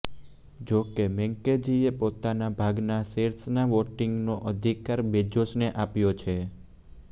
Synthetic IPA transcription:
d͡ʒokemɛ̃ŋked͡ʒiepot̪anabʱaɡnaseɾsnaʋoʈiŋɡnoʔəd̪ʱikaɾbed͡ʒoʃneʔapjot͡ʃʰe

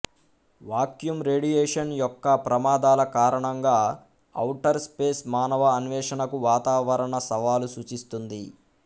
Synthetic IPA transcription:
ʋaːkjumɾe̞ːɖijeːʂɐnjɔkːɐpɾɐmaːd̪aːlɐkaːɾɐɳɐŋɡaː | ɐ̰wʈɐɾspeːsmaːnɐʋɐːnʋɛːʂɐnɐkuʋaːt̪aːʋɐɾɐɳɐsɐʋaːlusuːt͡ʃist̪und̪i

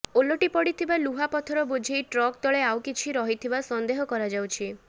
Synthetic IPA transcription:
oloʈipɔɽit̪ʰibaluɦapɔt̪ʰɔɾɔbud͡ʒʱejʈɾɔkt̪ɔɭeawkit͡ʃʰiɾɔɦit̪ʰibasɔnd̪eɦɔkɔɾad͡ʒawt͡ʃʰi

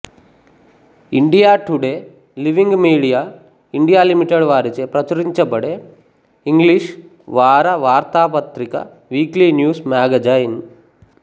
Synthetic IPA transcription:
iɳɖijaːʈuɽe | liʋiŋɡmiːɽijaː | iɳɖijaːlimiʈeɽʋaːɾit͡ʃepɾɐt͡ʃɐɾiɲt͡ʃɐpɐɽe | iŋɡliʂ | ʋaːɾɐʋaːɾt̪aːpɐt̪ɾikɐ̰ | ʋiːklinjuːsmaːɡɐd͡ʒajin

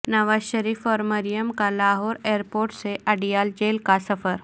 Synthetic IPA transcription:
nɐʋaːzʃɐɾiːfɔːɾmɐɾijəmkalaːɦɔːɾeːəɾpoːɾʈseʔɐɖijaːld͡ʒeːlkasɐfəɾ

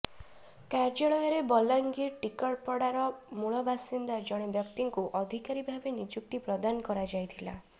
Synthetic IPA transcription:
kaɾd͡ʒɔɭɔjɔɾebɔlaŋɡiʈikɔʈ̚pɔɽaɾɔmuɭɔbasind̪ad͡ʒɔɽ̃ebjɔkt̪iŋkuʔɔd̪ʱikaɾibʱabenid͡ʒuk̚t̪ipɾɔd̪anɔkɔɾad͡ʒajt̪ʰila̰

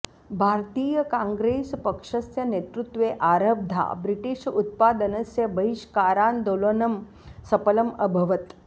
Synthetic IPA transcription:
bʱaːɾt̪iːjəkãŋɡɾeːspɐkʂɐsjɐnet̪ɾut̪ʋeːʔaːɾəb̚d̪ʱa̰ːbɾiʈiʃut̪̚paːd̪ɐnɐsjɐbɐɦiʃkaːɾaːnd̪oːloːnɐm | sɐpɐlɐmɐbʱɐʋɐt̪

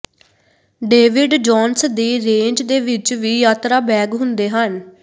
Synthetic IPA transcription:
ɖeːʋɪɖd͡ʒɔːnsd̪iːɾẽːɲd͡ʒd̪eːʋɪt͡ʃʋiːjaːt̪ɾaːbɛːɡɦʊnd̪eːɦən

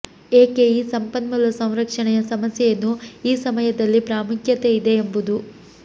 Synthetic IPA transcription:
eːkeiːsɐmpɐnmɐlɐsɐ̃w̃ɾɐkʂɐɳɛjɐsɐmɐsjɛjɐnːuiːsɐmɐjɐd̪ɐlːipɾaːmukjɐt̪eid̪e̞ːmbud̪u

